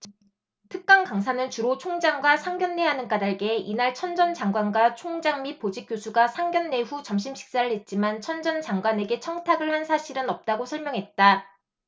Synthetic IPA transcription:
tʰɯk̚k͈aŋkaŋsʰanɯnt͡ɕuɾot͡ɕʰoŋd͡ʑaŋɡwasʰaŋɡjʌnːe̞ɦanɯnk͈adaɭɡe̞inaɭt͡ɕʰʌnd͡ʑʌnt͡ɕaŋɡwanɡwat͡ɕʰoŋd͡ʑaŋmipod͡ʑik͈josʰuɡasʰaŋɡʲjʌnːe̞ɸut͡ɕʌmɕ̬ʰimɕʰi̥k̚s͈aɾɯɭhe̞t̚t͡ɕ͈imant͡ɕʰʌnd͡ʑʌnt͡ɕaŋɡwane̞ɡe̞t͡ɕʰʌŋtʰaɡɯɭhansʰaɕʰiɾɯnʌp̚t͈aɡosʰʌɭmjʌŋɦe̞t̚t͈a

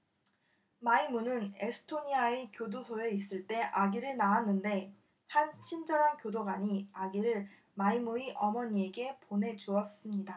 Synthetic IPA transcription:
maimunɯne̞sʰɯ̥tʰoɲiaekjodosʰoe̞is͈ɯɭt͈e̞ʔaɡiɾɯɭnaanːɯnde̞ | hant͡ɕʰind͡ʑʌɾankjodoɡaɲiaɡiɾɯɭ | maimuiʔʌmʌɲie̞ɡe̞ponɦe̞d͡ʑuʌs͈ɯmɲida

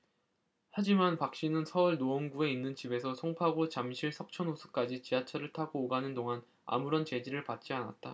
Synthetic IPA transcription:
had͡ʑimanpak̚ɕ͈inɯnsʰʌuɭnoʌnɡue̞inːɯnt͡ɕibe̞sʰʌsʰoŋpʰaɡot͡ɕamɕʰiɭsʰʌk̚t͡ɕʰʌnosʰu̥k͈ad͡ʑit͡ɕiat͡ɕʰʌɾɯɭtʰaɡoːɡanɯndoŋan | a̰muɾʌnt͡ɕe̞d͡ʑiɾɯɭpat̚t͡ɕ͈iana̰t̚t͈a̰

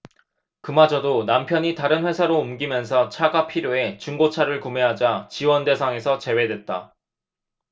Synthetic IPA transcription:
kɯmad͡ʑʌdonampʰjʌɲitaɾɯnɸwe̞sʰaɾoumɡimjʌns̬ʰʌt͡ɕʰaɡapʰiɾjoe̞t͡ɕuŋɡot͡ɕʰaɾɯɭkume̞ɦad͡ʑat͡ɕiwʌnde̞sʰaŋe̞sʰʌt͡ɕe̞we̞dwe̞t̚t͈a̰

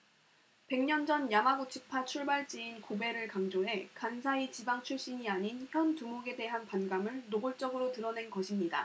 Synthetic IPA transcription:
pe̞ŋɲʌnd͡ʑʌnjamaɡot͡ɕʰɯpʰat͡ɕʰuɭbaɭt͡ɕ͈iːnkobe̞ɾɯɭkaŋd͡ʑoɦe̞kansʰait͡ɕibaŋt͡ɕʰuɭɕ͈iɲiaɲinçjʌntumoɡe̞de̞ɦanpanɡamɯɭnoɡoɭt͡ɕ͈ʌɡɯɾotɯɾʌne̞nɡʌɕʰimɲida̰

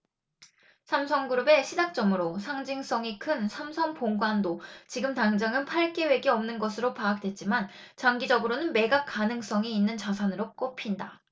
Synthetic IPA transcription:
sʰamsʰʌŋɡuɾube̞ɕʰid͡ʑak̚t͡ɕ͈ʌmɯɾosʰaŋd͡ʑiŋs͈ʌŋikʰɯnsʰamsʰʌŋpoŋɡwandot͡ɕiɡɯmtaŋd͡ʑaŋɯnpʰaɭk͈e̞we̞ɡiʌmnɯnɡʌsʰɯɾopaːk̚t͈we̞t̚t͡ɕ͈iman | t͡ɕaŋɡid͡ʑʌɡɯɾonɯnme̞ɡakanɯŋs͈ʌŋiːnːɯnt͡ɕas̬ʰanɯɾok͈opʰinda

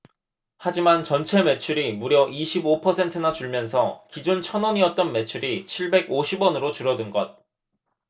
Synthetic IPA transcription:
had͡ʑimant͡ɕʌnt͡ɕʰe̞me̞t͡ɕʰuɾimuɾjʌʔiɕʰibopʰʌsʰe̞ntʰɯnat͡ɕuɭmjʌns̬ʰʌkid͡ʑont͡ɕʰʌnʌɲiʌt̚t͈ʌnme̞t͡ɕʰuɾit͡ɕʰiɭbe̞ɡoɕʰibwʌnɯɾot͡ɕuɾʌdɯnɡʌt̚

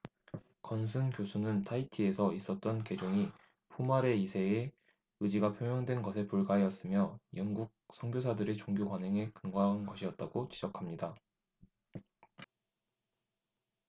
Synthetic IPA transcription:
kʌnsʰɯnkjosʰunɯntʰaitʰie̞sʰʌis͈ʌt̚t͈ʌnke̞d͡ʑoŋi | pʰumaɾe̞isʰe̞ː | ɯd͡ʑiɡapʰjoŋjʌŋdwe̞nɡʌsʰe̞puɭɡaɦejʌs͈ɯmjʌjʌŋɡuk̚sʰʌŋɡjosʰadɯɾet͡ɕoŋɡjokwanɦeŋe̞kɯŋɡaɦnɡʌɕʰiʌt̚t͈aɡ̥ot͡ɕid͡ʑʌkʰamɲida

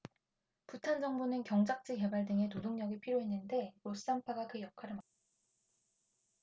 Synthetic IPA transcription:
putʰand͡ʑʌŋbunɯnkjʌŋd͡ʑak̚t͡ɕ͈ʰɯke̞baɭdɯŋe̞todoŋɲʌɡiɭpʰiɾjoɦe̞nːɯnde̞ɾosɯampʰaɡakɯjʌkʰaɾɯɭma

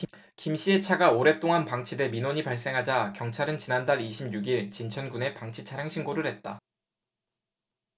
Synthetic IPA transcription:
kimɕ͈ie̞t͡ɕʰaɡaoɾe̞t͈oŋanpaŋt͡ɕʰide̞minoɲipaɭs͈e̞ŋɦad͡ʑakjʌŋt͡ɕʰaɾɯnt͡ɕinandaɾiɕʰimɲuɡiɭt͡ɕint͡ɕʰʌnɡune̞paŋt͡ɕʰit͡ɕʰaɾjaŋɕʰiŋɡoɾɯɭɦe̞t̚t͈a

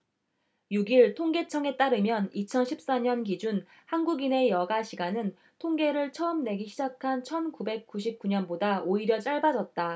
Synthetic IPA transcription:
juɡiɭtʰoŋɡe̞t͡ɕʰʌŋe̞t͈aɾɯmjʌnit͡ɕʰʌnɕʰip̚s͈aɲʌnkid͡ʑun | hanɡuɡine̞jʌɡaɕʰiɡanɯn | tʰoŋɡe̞ɾɯɭt͡ɕʰʌɯmne̞ɡiɕʰid͡ʑakʰant͡ɕʰʌnkube̞k̚k͈uɕ̬ʰip̚k͈uɲʌnbodaoiɾjʌt͡ɕ͈aɭbad͡ʑʌt̚t͈a

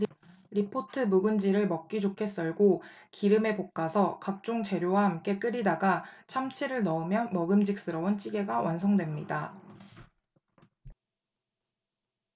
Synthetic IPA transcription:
ɾipʰotʰɯmuɡund͡ʑiɾɯɭmʌk̚k͈id͡ʑokʰe̞s͈ʌɭɡokiɾɯme̞pok̚k͈asʰʌkak̚t͡ɕ͈oŋt͡ɕe̞ɾjowaɦamk͈e̞k͈ɯɾidaɡat͡ɕʰamt͡ɕʰiɾɯɭnʌumjʌnmʌɡɯmd͡ʑik̚s͈ɯɾʌunt͡ɕ͈ʰiɡe̞ɡawʔansʰʌŋdwe̞mɲida

